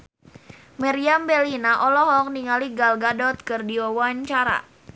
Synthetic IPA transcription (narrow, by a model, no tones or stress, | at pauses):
maɾiambɛlinaʔɔlɔɦɔk̚niŋaliɡalɡadɔt̪̚kɨrdiɔwaɲt͡ʃaɾa̰